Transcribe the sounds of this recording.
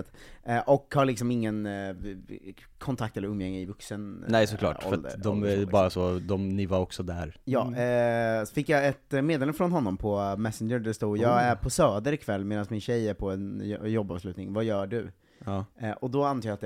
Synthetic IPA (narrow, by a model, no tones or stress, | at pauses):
t̪ʔɔkhaɭɪksɔmɪŋːən | kʰɔnt̪ʰak̚t̪ɛlːəɾɵmjɛŋːɪvɵksənnɛsɔkʰlɑ̰ːʈʔfɔfɾad̪ə̰ɾd̪ɔmbɑːɾasɔd̪ɔmnɪvaɾɔksɔd̪æɾjɑ̰ː | fɪkːjaɛt̪meːd̪eːlmafɾɔnɦɔnːɔmpʰɔmɛsɪnd͡ʒəɾd̪æɛst̪uːjɑːɡæɾpʰɔsœːd̪əɾɪkʰvɛlːmeːd̪ansmɪnɕɛjæɾpʰɔɛnjɔbːa̰ːvslʉ̟ːt̪nɪŋvajœːɖɵ | ʔɔd̪ɔant̪ɑːɡjat̪̚d̪